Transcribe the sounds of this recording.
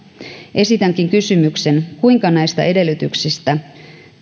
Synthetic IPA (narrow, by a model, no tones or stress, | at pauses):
ʔe̞sit̪æŋkiŋkysymykse̞nkuiŋkɑnæjst̪ɑ̰ʔe̞de̞lːyt̪yksist̪æ